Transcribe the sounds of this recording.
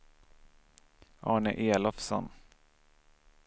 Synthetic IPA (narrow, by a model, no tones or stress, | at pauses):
ʔɑːɳə̰ʔeːlɔfsɔ̰n